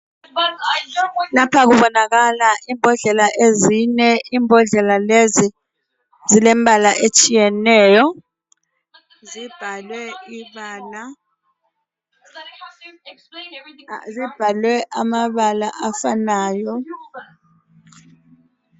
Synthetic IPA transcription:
lapʰak̬uɓɔnak̬alaʔiːmbʱɔɮɛlaʔezinɛʔiːmbʱɔɮɛlalezi | zilɛmbʱalaʔet͡ʃʼijɛnɛːjɔ | zib̥ʱalwɛiɓaːna | zib̥ʱalwɛʔamaɓalaʔafanaːjɔ

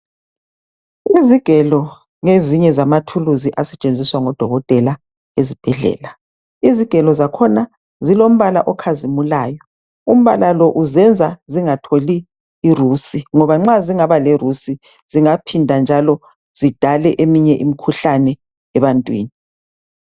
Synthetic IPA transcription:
iziɡ̥ʱɛlɔ | ŋeziɲɛzamatʰuluziʔasɛt͡ʃʼend͡zʱiswaŋɔd̥ʱɔɣɔtʼɛla | ezib̥ʱɛɮɛ̰ːla | iziɡ̥ʱɛlɔzakʰɔna | zilom̩βala̰ʔɔkʰazimulaːjɔ | um̩βa̰lalɔʔuzɛnd͡zʱaziŋatʰoliː | rusiŋɔβaŋ͡ǁaziŋaβalɛrusi | z̥iŋapʰindʱand͡ʒʱalɔ | z̥id̥ʱalɛʔemiɲɛʔimikʰuɬanɛ | ɛβantʼwḭːni

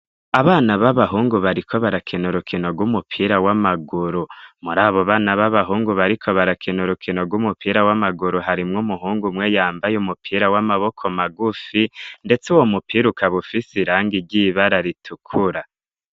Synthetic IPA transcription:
aβaːnaβaβaɦuːŋɡuβaɾikʰo̞βaɾakʰinuɾukʰino̞ɡwumupʰiɾawamaɡuɾumuɾaːβo̞βaːnaβaβaɦuːŋɡuβaɾikʰo̞βaɾakʰinuɾukʰinoɡwumupʰiːɾawamaɡuɾuɦaɾimŋumuhuːŋɡumŋejaːmbajumupʰiːɾawamaβo̞kʰo̞maɡufinde̞t͡suwomupiɾukʰaβufisiɾaːŋɡiɾɟiβaɾaɾitʰukʰuɾa

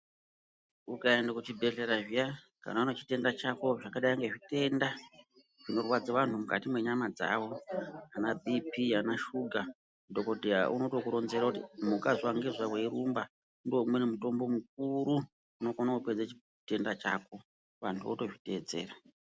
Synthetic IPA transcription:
ukaendakut͡ʃibʱe̞ɮe̞ɾaʐija | ka̰naunot͡ʃi̥te̞ndat͡ʃako̞ʐakaɗaiŋɡeʐite̞nda | ʐ̥ino̞rwad͡zaʋantumuka̰timwe̞ɲamad͡za̰wo̞anabʱipianaʃuɡʱa | do̞ko̞dʱeja̰ʔuno̞tokuɾo̞nzeɾakutimukazwaŋɡezʷaweɾumba | undomwenemuto̞mbo̞muk̚uɾu | uno̞konakupe̞d͡zat͡ʃi | te̞ndat͡ʃa̰ːko̞ | ʋantʰuo̰to̞ʐite̞ːd͡ze̞̰ːra

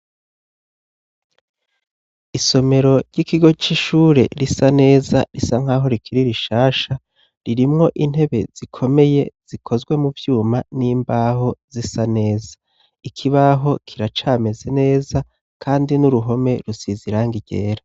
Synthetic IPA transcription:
iso̞me̞ɾo̞ɾɟikiɡo̞t͡ʃiʃuːɾe̞̰ɾisane̞ːzaɾisaŋ̥aːɦo̞ɾikʰiɾiɾiʃaːʃa | ɾiɾimŋo̞ʔin̥he̞βe̞z̥ikʰo̞me̞je̞z̥ikʰo̞zɡwe̞muvjuːmaniːmbaːɦo̞z̥isane̞ːzḁ | ikʰiβaɦo̞kʰiɾat͡ʃaːme̞ze̞ne̞ːza | kʰaːndinuɾuɦo̞me̞ɾusiziɾaŋɡiɟe̞̰ːɾa

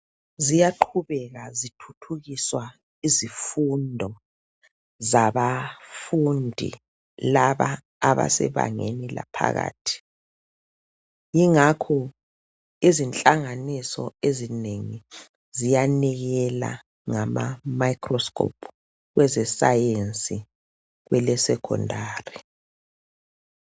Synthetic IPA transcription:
zijaǃʰuβɛɣazitʰutʰuɣiswa | izifundʱɔ | zaβafundʱḭ | laβaː | βa̰sɛ̰βa̰ŋenila̰pʰa̰ɣa̰ːtʰi̥ | jiŋakʰɔ | izint͡ɬʼaŋanisɔ̰ezineŋi | zijaniɣɛla̰ | ŋama̰majkʰrɔskʰʼɔ̰pʰ | ɣwʔɛzɛsajent͡sʼi | ɣwɛlɛsɛkʰɔ̰ndʱaːri

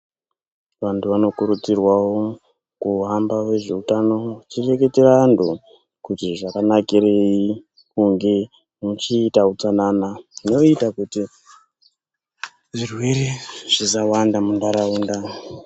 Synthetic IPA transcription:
ʋantuʋano̞kuɾut͡sirwawo | kuɦambawe̞ʐe̞utano̞t͡ʃire̞ke̞terandu | kutiʐakanakiɾe̞i | kuŋɡe̞ | mut͡ʃiːtaut͡sananaino̞itakuti | ʐirwe̞ɾeʐ̥izawandamundaɾauːnda

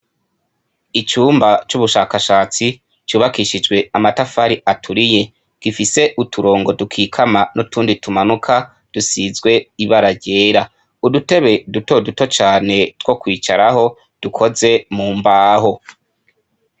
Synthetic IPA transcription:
it͡ʃuːmbat͡ʃuβuʃaːkaʃaːt͡si | t͡ʃuːβakiʃid͡ʒɡwe̞amatafaɾiʔatʰuɾije̞ | kifise̞ʔutʰuɾo̞ːŋɡo̞dukʰiːkʰamanʔotuːnditumanukʰa | d̥usizɡwe̞iβaɾaɟe̞ːɾa | udute̞βe̞duto̞duto̞t͡ʃaːne̞two̞kwiːt͡ʃaɾaɦo̞ | d̥ukʰo̞ze̞muːmbaːho̞

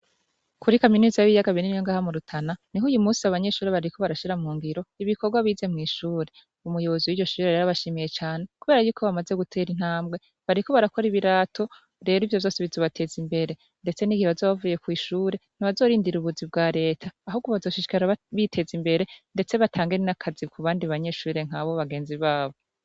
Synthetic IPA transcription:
kuɾikaminizaaβijaɡaβinimɲoŋɡaːhamuɾutʰananiɦuːjumuːsiaβaɲe̞ʃuːɾeβaɾɾikʰo̞βaɾaʃiɾamuːŋɡiɾo̞iβikoɾɡwaβiːze̞mŋiːʃuːɾe̞ | umujo̞βo̞ziwiɟo̞ʃuːɾeɾeɾaβaʃiːmije̞t͡ʃaːne̞kuβe̞ːɾajuːkʰo̞βamaze̞ɡutʰe̞ːɾin̥haːmbɡwe̞ | βaɾiko̞βaɾako̞ɾiβiɾaːtʰo̞ | ɾe̞ːɾoivjo̞βjo̞ːsiβizoβatʰe̞ːzimbe̞ɾe̞ | nde̞t͡se̞niɡiheβazoːβavuːje̞kwiːʃuːɾe̞n̥iβazo̞ːɾiːndiɾuβuzibɡaːɾe̞ːtʰaːɦuɡoβazo̞ːʃiʃi̥kaɾaβitʰe̞zimbe̞ɾe̞nde̞t͡se̞βatʰaːŋɡeninakʰazikʰuβaːndiβaɲe̞ʃuːɾe̞ŋ̥haβoβaɡeːnziβaːβo

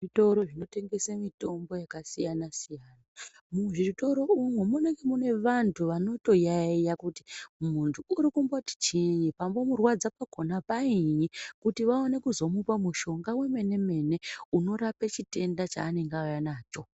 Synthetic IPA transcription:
ito̞ɾoʐino̞te̞ŋɡe̞samito̞mbo̞jakasijanasijaːna | muʐito̞ɾo̞umwemune̞ŋɡe̞mune̞ʋantʰuʋano̞to̞jaejakuti̥muntʰuuɾikumboti̥t͡ʃiɲipambo̞murwad͡zapako̞napaiɲikutiʋaone̞kuzo̞mupamuʃo̞ŋɡawe̞me̞ne̞me̞ne̞uno̞ɾapet͡ʃite̞ndat͡ʃa̰ːne̞ŋɡajanaːt͡ʃo̞

